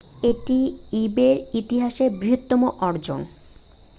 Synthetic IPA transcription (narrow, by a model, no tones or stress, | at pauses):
eʈiibeɾit̪iɦaʃeɾbɾiɦot̪ːɔmoʔɔɾd͡ʑo̰n